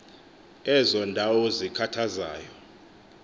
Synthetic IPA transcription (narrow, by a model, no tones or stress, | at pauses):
ɛzɔndʱawɔzikʰatʰazaːjɔ